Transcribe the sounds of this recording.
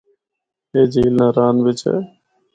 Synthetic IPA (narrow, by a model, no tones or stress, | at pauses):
eːd͡ʒʱiːlnãːɾaːnʋɪt͡ʃɛ̰ː